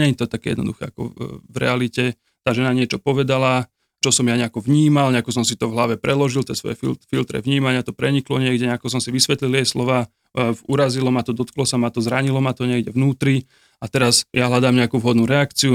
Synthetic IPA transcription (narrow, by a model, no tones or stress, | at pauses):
ɲɛɲt̪ɔt̪akɛːjɛ̰d̪nɔ̰d̪uxɛakɔ̰vɾɛ̰alicɛ | t̪aːʒɛnaɲɪɛt͡ʃɔpɔʋɛd̪ala | t͡ʃɔsɔmjaɲɛakɔʋɲiːmalɲɛakɔsɔmsit̪ɔvɦlaʋɛpɾɛlɔʒilt̪ɛːsʋɔ̰jɛfḭlfilt̪ɾɛ̰ʋɲiːmaɲɪat̪ɔpɾɛɲiklɔɲɪɛɡɟɛɲɛakɔs̬ɔmsiʋisʋɛt̪lilt̪ɛjslɔʋaː | uɾazilɔmat̪ɔd̪ɔt̪klɔsamat̪ɔzɾaɲilɔmat̪ɔɲɪɛɡɟɛʋnuːt̪ɾi | at̪ɛɾazjaɦlad̪aːmɲɛakuːvɦɔd̪nuːɾɛakt͡siu